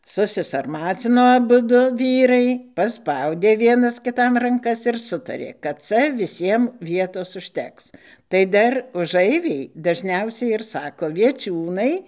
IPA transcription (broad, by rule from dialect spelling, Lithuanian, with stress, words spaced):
sʊsʲɪsɐrˈmɑːt͡sʲɪnoː ɐˈbʊdʊ ˈʋʲiːrɐɪ pɐˈspɐʊdʲeː ˈʋʲiɛnɐs kʲɪˈtɐm rɐŋˈkɐs ɪr ˈsʊtɐrʲeː kɐt ˈt͡sɐ ʋʲɪˈsʲiɛm ˈʋʲiɛtoːs ʊʃʲˈtʲɛks tɐɪ ˈdɐr ʊˈʒɐɪʋʲɛɪ dɐʒʲˈnʲɛʊsʲɛɪ ɪr ˈsɑːkoː ʋʲiɛˈt͡ʃʲuːnɐɪ